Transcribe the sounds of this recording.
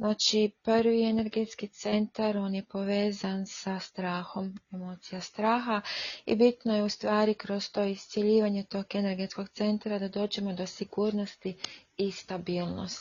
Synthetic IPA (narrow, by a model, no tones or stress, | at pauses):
znaːt͡ʃiprʋie̞ne̞ɾɡe̞t̪skit̪se̞nt̪aɾo̞ːnje̞po̞ʋe̞ːzansast̪ɾaːxo̞memo̞ːt̪sijast̪ɾaːxaḭbit̪no̞je̞ust̪ʋaːɾikɾo̞st̪o̞ːist̪sje̞ʎiːʋaɲe̞t̪o̞ɡe̞ne̞ɾɡe̞t̪sko̞ɡ̚t̪se̞nt̪ɾad̪ad̪o̞ːd͡ʒe̞mo̞d̪o̞siɡuːɾno̞st̪iːst̪abiːlˠno̰st̪